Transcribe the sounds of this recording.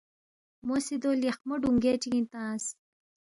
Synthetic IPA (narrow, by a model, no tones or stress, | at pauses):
mosid̪oljɐχmoɖuŋɡeːʈ͡ʂiɡĩnt̪ãːs